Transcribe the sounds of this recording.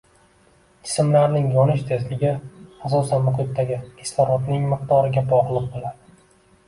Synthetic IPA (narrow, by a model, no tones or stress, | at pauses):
ɪ̥smlaɾnɪŋjɒnɪʃt̪ʰezlɪɡʲɪas̬ɒsanmʊqʊt̪ːaɡʲɪest̪ɒɾɒt̪nɪŋmɨq̚t̪ɒɾɪɡʲabɒʁlˠɨq̚bolad̪ɪ